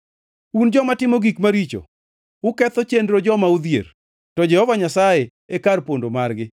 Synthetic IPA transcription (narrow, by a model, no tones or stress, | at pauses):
und͡ʒɔmatɪmoɡikmaɾit͡ʃo̰ | ʊkɛt̪ɔt͡ʃendɾod͡ʒɔmaud̪jḛɾ | tɔd͡ʒɛhɔvaɲasaje | ekarpondomarɡɪ